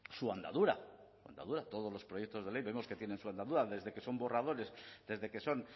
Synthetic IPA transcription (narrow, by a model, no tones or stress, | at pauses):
suand̪a̰ðuɾa̰sua̰nd̪a̰ðuɾat̪o̞ð̞olo̞spɾojek̚t̪o̞zð̞e̞le̞jβe̞mo̞sket̪je̞ne̞nsuand̪aðuɾaðe̞zðe̞ke̞so̞mbo̞rað̞o̞ɾe̞sðe̞zðe̞ke̞so̞n